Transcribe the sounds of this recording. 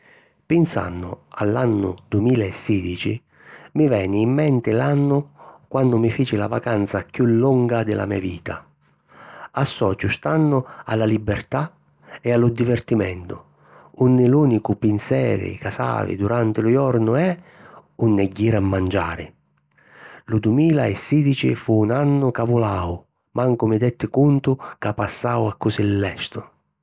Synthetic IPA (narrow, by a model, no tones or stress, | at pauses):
pɪnsa̰nːʊ̰alːanːʊ̰d̪uemiːlaɛsːiːd̪it͡ʃi | mivɛːnɪːmːɛnt̪ɪlanːʊkwanːʊmifiːt͡ʃɪlavakant̪sakjulːuŋɡad̪ɪlʔa̰miːaviːt̪a̰ | asːɔːt͡ʃʊst̪anːʊa̰lːalibːert̪a | ɛalʊd̪ivert̪imɛnt̪ʊ | unːɪluːnikʊpinsɛːɾɪ̰kasa̰ːvɪ̰d̪uɾant̪ɪlʊjɔrnʊɛunːɛɟːiːɾamːand͡ʒaːɾɪ | lʊd̪umiːlaɛsːiːd̪it͡ʃḭfuːnanːʊkavʊlaːw | mʔaŋkʊmɪd̪ɛt̪ːɪkunt̪ʊkapːasːaːwakːʊsilːɛst̪ʊ